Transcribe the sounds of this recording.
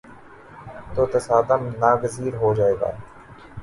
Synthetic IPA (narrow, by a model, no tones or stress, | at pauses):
t̪oːt̪əsaːd̪əmnaːɡəziːɾɦoːd͡ʒaːeːɡa̰ːe